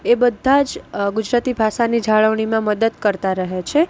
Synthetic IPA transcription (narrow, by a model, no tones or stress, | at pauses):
ebəd̪ʱːad͡ʒɡud͡ʒɾat̪ibʱaʃanid͡ʒʱaɭəʋɳ̃imãməd̪əd̪kəɾt̪aɾəɦet͡ʃʰe